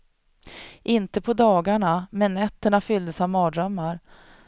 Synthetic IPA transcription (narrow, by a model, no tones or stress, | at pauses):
ʔɪnt̪əpʰɔd̪ɑːɡaɳamɛnːɛt̪ːəɳafʏld̪əsavmɑːd̪ɾœmːaɾ